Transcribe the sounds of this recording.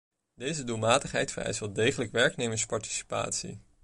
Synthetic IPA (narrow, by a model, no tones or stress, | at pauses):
dejzədulˠmaːtəχɦɛ̰jtfərɛ̰jsəlˠdejχələkʋɛɹknejməspɑɹti̥si̥pa̰ːtsḭ